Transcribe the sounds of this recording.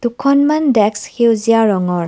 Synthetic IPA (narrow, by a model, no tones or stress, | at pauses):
d̥ukʰɔnmandɛkshewzijaɹɔŋɔɹ